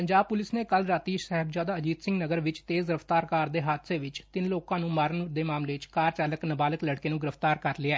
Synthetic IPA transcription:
pəɲd͡ʒaːb̚pʊlɪsneːkəlɾaːt̪iːʃsɛːɦəbd͡ʒjaːd̪aːəd͡ʒiːt̪sɪ̃ŋɡnəɡəɾʋɪt͡ʃt̪eːzɡɪɾəft̪aːɾkaːɾd̪eːɦaːd̪seːʋɪt͡ʃt̪ɪnloːkãːnũːmaːɾənd̪eːmaːmleːɪt͡ʃkaːɾt͡ʃaːləknəbaːləkləɽkeːnũːɡɪɾəft̪aːɾkəɾlɪaː

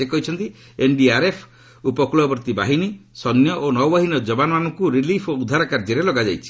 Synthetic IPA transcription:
ekɔɦit͡ʃʰɔnt̪i | enɖiaɾepʰ | upɔkulɔbɔɾt̪ibaɦinisɔnjɔʔonɔwbaɦinɔd͡ʒɔbanɔmanɔŋkuɾilipʰoud̪ʱaɾakaɾd͡ʒiɾelɔɡad͡ʒajt͡ʃʰi̥

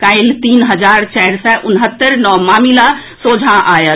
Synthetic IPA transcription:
kaɪlt̪iːnɦəd͡ʒaːɾt͡ʃɛɾsɛʔʊnɦət̪ːəɾnɔmaːmilasoːd͡ʒʱaʔaːjə

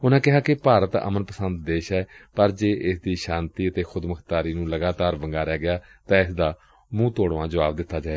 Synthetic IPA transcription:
ʊnãːkɪɦaːkɪpaːɾət̪ə̰mənpəsənd̪d̪eːʃɛːpəɾd͡ʒeːʔɪsd̪iːʃãːnt̪iːət̪eːxʰʊd̪məkʰt̪aːɾiːnũːləɡaːt̪aːɾʋəŋɡaːɾɛːɡɪjaːt̪ãːɪsd̪aː | mũːt̪oːɽʋãːd͡ʒəʋaːbd̪ɪt̪ʰːaːd͡ʒaːe

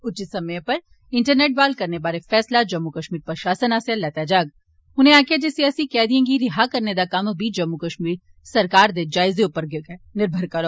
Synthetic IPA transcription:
ʊt͡ʃisɐmjẽpɐɾ | ɪ̃ɳʈəɾneːʈ̚baːlkɐɾnebaːɾefɛːslad͡ʒɐmːukəʃmiːɾpəɾʃaːsənaːsjalɛːt̪aːd͡ʒaːɡ | ʊnẽaːkjad͡ʒesiaːsikɛːd̪iẽːŋɡiɾɪɦakɐɾned̪akɐmbʱid͡ʒɐmːukəʃmiːɾ | sɐɾkaːɾd̪ed͡ʒaːɪzeʊpːəɾɡnɪɾbʱəɾkɐɾoː

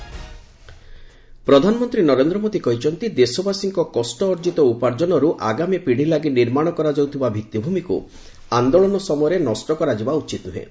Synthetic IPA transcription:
pɾɔd̪ʱanɔmɔnt̪ɾinɔɾend̪ɾɔmod̪ikɔɦit͡ʃʰɔnt̪id̪esɔbasiŋkɔkɔsʈɔːɾd͡ʒit̪ɔupaɾd͡ʒɔnɔɾuʔaɡamipiɽ̤ilaɡiniɾmaɽ̃ɔkɔɾad͡ʒɔwt̪ʰibabʱit̪ːibʱumikṵ | and̪ɔɭɔnɔsɔmɔjɔɾenɔsʈɔkɔɾad͡ʒibaut͡ʃit̪nuɦḛ̃

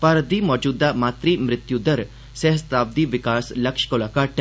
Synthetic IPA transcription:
pɐɾd̪iːmɔːd͡ʒuːd̪amaːt̪ɾimɾɪt̪jud̪ɐɾ | seɦəst̪aːb̚d̪iʋɪkaːslɐkʃkolaːkaːʈ

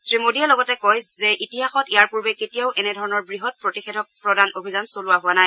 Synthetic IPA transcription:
sɹimodiɛlɔɡɔtɛkɔjzɛʔitiɦaxɔtijaɹpuɹbɛketijaʊʔɛnɛdʱɔɹɔnɔɹbɹiɦɔt̚pɹotixedʱɔpɹɔdanobʱizansolʊwaɦʊwanaj

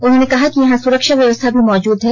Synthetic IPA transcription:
ʊnɦõːnekɐɦakijɐɦãsʊɾəkʃaʋjɐʋəst̪ʰabʱimɔːd͡ʒuːd̪ɦɛː

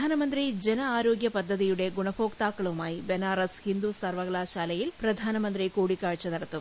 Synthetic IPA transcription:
aːnɐmɐnd̪ɾid͡ʒɛnɐaːɾo̞ːɡjɐpɐd̪ʱːɐðijuɽe̞ɡuɳɐfoːkt̪aːkːɐɭumaːjibenaːɾɐshind̪usɐrʋɐɣɐɭaːʃaːlɐjilpɾɐd̪ʱaːnɐmɐnd̪ɾikuːɽikːaːɻt͡ʃːɐnɐɽɐt̪ːu

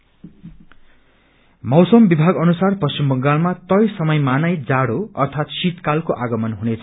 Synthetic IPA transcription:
mʌwsʌmbibʱaɡʌnusarpʌst͡ɕimbʌŋɡalmat̪ʌjsʌmʌjmanʌjd͡zaɽoʌrt̪ʰat̪sit̪kalkoʔaɡʌmʌnɦunet͡sʰʌ

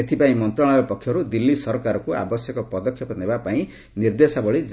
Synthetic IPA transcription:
et̪ʰipaĩmʌnt̪raɭ̃aɔpɔkʰjɔɦɾud̪ilːisʌɾkaɾɔkoa̰bʌsjʌkɔpʌd̪ɔkʰːjɔpɔnebapaĩ | nird̪esabɔɭi

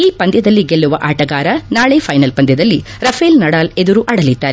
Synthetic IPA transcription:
iːpɐnd̪jɐd̪ɐlːiɡelːuʋɐʔaːʈɐɡaːɾɐnaːɭepʰɐjnɐlpɐnd̪jɐd̪ɐlːi | ɾɐpʰelnɐɽaːled̪uɾuʔɐɽɐlid̪ːaːɾe

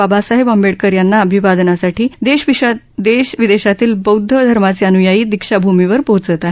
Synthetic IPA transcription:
abasaɦebəmbeɽkəɾjanːaəbʱiʋad̪nasaʈʰiːd̪eɕʋiɕa | d̪eɕʋid̪eɕat̪iːlbəwd̪ʱːəd̪ʱəɾmat͡seənujajiːd̪ikʂabʱumiʋəɾpəɦut͡sət̪aɦe

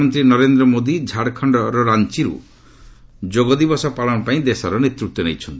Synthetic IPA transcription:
mɔnt̪ɾinɔɾend̪ɾɔmod̪id͡ʒʱaɽkʰɔɳɖɔɾɔɾant͡ʃiɾṵ | d͡ʒoɡɔd̪ibɔsɔpaɭɔɽ̃ɔpaĩd̪esɔɾɔnet̪ɾut̪ːɔnejt͡ʃʰɔnt̪i

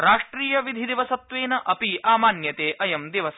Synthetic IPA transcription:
ɾaːʂʈɾiːjɐʋid̪ʱid̪iʋɐsɐt̪ʋeːnɐʔɐpiʔaːmaːnjɐt̪eːʔɐjɐmd̪iʋɐs

